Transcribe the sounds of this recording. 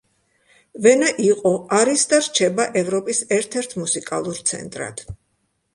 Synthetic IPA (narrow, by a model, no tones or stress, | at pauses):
vɛnaʔiqʼɔaɾisd̪aɾt͡ʃʰɛbaʔɛvɾɔpʼisɛɾt̪ʰɛɾt̪ʰmusikʼalˠuɾt̪sʰɛ̰nt̪ʼɾa̰d̪̥